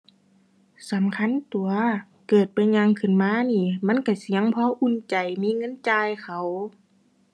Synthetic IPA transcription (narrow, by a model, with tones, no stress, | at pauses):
sa˨˦mkʰa˧˥˨nt̪u˨˩ɐ | kɤː˨˩t̪̚pa˧˦jɲaː˧˨ŋkʰɯ˧˩˨nmaː˧˥˨niː˧˩ma˧˥˨nka˧˩si˧˦ə˨ŋpʰɔː˧˥ʔu˧˥˨nt͡ɕa˨˩jmiː˧˥˨ŋɤ˧˥˨nt͡ɕaː˧jxʰa˧˩w